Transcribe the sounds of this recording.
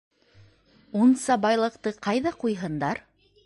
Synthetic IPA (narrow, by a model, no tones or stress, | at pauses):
unsɑbɑjlˠɤ̆qt̪ɤqɑjðɑqujɦɤ̆nd̪ɑɾ